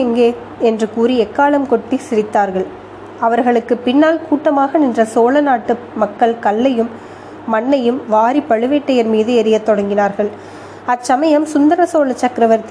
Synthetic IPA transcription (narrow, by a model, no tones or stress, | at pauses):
ŋɡeː | ɛndrɯkuːɾiɛkːaːɭɐmkɔʈːisɪɾɪt̪ːaːɾɣɐɭ | ɐʋɐɾɣɐɭɯkːɯpɪnːaːlkuːʈːɐmaːɣɐnɪndrɐsoːlɐnaːʈːɯ | mɐkːɐɭkɐlːɐjɯmː | ɐɳːɐjɯmʋaːɾipɐɻɯʋeːʈːɐjɐɾmiːðɯɛɾɪjɐt̪ːɔɽɐŋɡɪnaːɾɣɐɭ | ɐsɐmɐjɐmsʊnd̪ɐɾɐsoːlɐt͡ʃːɐkɾɐʋɐɾt̪